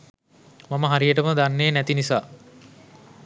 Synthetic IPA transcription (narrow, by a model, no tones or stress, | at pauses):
maməɦaɾijəʈəməd̪anːeːnæt̪inisaː